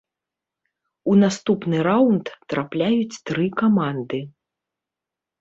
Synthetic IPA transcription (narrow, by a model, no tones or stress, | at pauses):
unast̪upnɨɾawunt̪t̪ɾʔaplʲajut͡sʲt̪ɾɨkamand̪ɨ